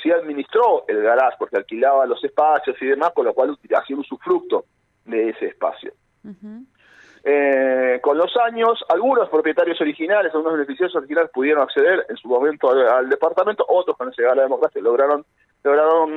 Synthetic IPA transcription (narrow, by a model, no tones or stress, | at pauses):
siaðminist̪ɾo̞elɣalaʃpo̞ɾkealkilaβalo̞sespasjo̞siðe̞masko̞nlo̞kwalut̪ia̰sjonunsufɾuk̚t̪o | ðe̞ese̞ːspa̰sjo̰ | eko̞nlo̞saɲo̞salɣuno̞spɾopje̞t̪aɾjo̞so̞ɾixinalesalɣunoβenefisjosos̬oɾixinalespuðje̞ɾonakse̞ðeɾensumo̞mẽnt̪oald̪e̞paɾt̪ament̪oʔo̞t̪ɾoskonesʃeɣaβlaðemokɾasjaloɣɾaɾon | loɣɾaɾoɾon